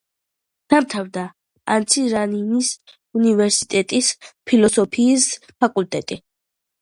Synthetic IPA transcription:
d̪̥amt̪ʰavd̪a | ant̪sʰiɾaninis | univɛɾsi̥t̪ʼɛt̪ʼispʰilɔsɔpʰiːs | pʰakʼult̪ʼɛt̪ʼi

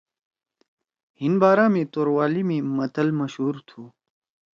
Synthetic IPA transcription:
hinbaːɾaːmĩt̪oːɾwaːlimimɐt̪ɐlmɐɕɦuːɾt̪ʰuː

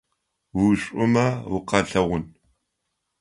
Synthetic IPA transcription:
wuɕʷʼʊmɐwʊqɐɬɐʁʷʊn

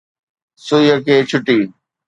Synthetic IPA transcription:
sʊjəkʰeːt͡ɕʰʊʈiː

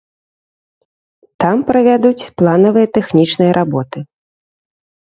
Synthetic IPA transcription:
t̪ampɾɐvʲad̪ut͡sʲplˠanɐvɨjɐt̪ɛxnʲit͡ʂnɨjɐɾʔabɔt̪ɨ

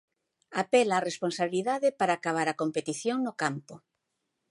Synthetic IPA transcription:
apelaːresponsaβiliðaðɪpaɾaːkaβ̞aɾakompet̪iθjoŋnʊkampʊ

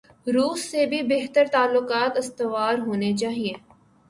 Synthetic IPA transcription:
ɾuːsːebʱibeɦt̪əɾt̪aːlːʊkaːt̪ɪst̪ɪʋaːɾɦoːnet͡ʃaːɦieː

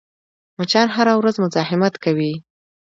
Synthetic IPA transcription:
mat͡ʃɑnɦaɾawɾazmʊzɑɦɪmat̪kawi

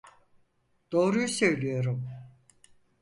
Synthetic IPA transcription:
d̪̥o̞ːɾujusø̞jlʲijo̞ɾum

